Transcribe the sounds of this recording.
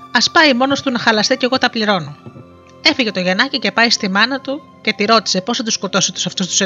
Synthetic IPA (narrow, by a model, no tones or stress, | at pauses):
ɐspɐjmo̞no̞st̪unɐxɐlɐst̪ice̞ɣo̞t̪ɐpliɾo̞no | e̞fiʝe̞t̪o̞ʝe̞nɐcice̞pɐjst̪imɐnɐt̪u | ce̞t̪iɾo̞t̪i̥se̞po̞sθɐt̪usko̞t̪o̞set̪u̥sɐft̪ust̪us